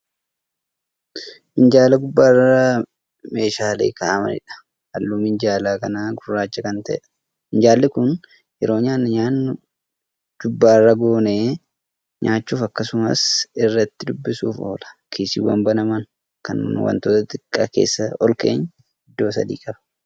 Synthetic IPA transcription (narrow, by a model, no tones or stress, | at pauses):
ʔɪnd͡ʒaːlɐɡʊbːaːrːa | me̞ːʃaːlḛːkaʔɐmɐ̰nɪ̰ᶑɐ̥ | hɐlːuːmɪnd͡ʒaːlaːkɐnaːɡʊrːaːt͡ʃːɐkɐnt̪ɐʔɛ̰ᶑɐ̥ | ɪnd͡ʒaːlːɪkʊn | jɛɾo̞ːɲaːnːɐɲaːnːʊ | d͡ʒʊbːaːrːɐɡoːneː | ɲaːt͡ʃːuːfɐkːɐsʊmɐ̰sɪrːɐt̪ːɪd̪ʊbːɪsuːfo̰ːlɐ̥kʰiːsḭːwɐ̰mbɐnɐmɐn | kɐ̰nwɐ̰nt̪oːt̪ɐt̪ʼɪkʼːa̰ːke̞̰ːsːɐɔlkḛːɲː | hɪd̪ːo̞ːsɐ̰d̪ḭːkʼɐbɐ̥